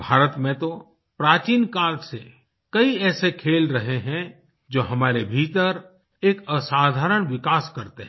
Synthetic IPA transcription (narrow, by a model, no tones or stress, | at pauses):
bʱaːɾət̪mẽt̪o | pɾaːt͡ʃiːnkaːlse | kɐiɛːsekʰeːlɾɐɦeɦɛ̃ | d͡ʒoːɦɐmaːɾebʱiːt̪əɾ | eːkəsaːd̪ʱaːɾəɽ̃ʋɪkaːskɐɾt̪eɦɛ̃